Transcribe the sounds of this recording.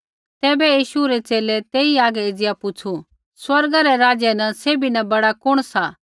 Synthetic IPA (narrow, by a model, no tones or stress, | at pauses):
t̪ɛːbɛjiːʃuɾet͡ʃeːlet̪eːiaːɡɛeːd͡zjapʊt͡ʃʰu | swɐɾɡaɾɛɾaːd͡ʒjenɐseːbinɐbɐɽakʊɽ̃sa